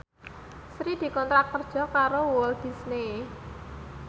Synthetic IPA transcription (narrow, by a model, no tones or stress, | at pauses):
sɾid̪̥i̤kɔnt̪ɾak̚kərd̥ʒ̥ɔ̤kaɾowɔld̪̥i̤sne